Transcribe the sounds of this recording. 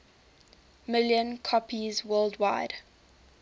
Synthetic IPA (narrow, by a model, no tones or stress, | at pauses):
mɪljə̃nkʰɔpʰizwɜːlˠdwaɪd̥